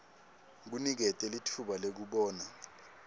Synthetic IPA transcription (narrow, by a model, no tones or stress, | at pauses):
k̬unik̬ɛtʼɛlitʰuɓalek̬uɓɔːna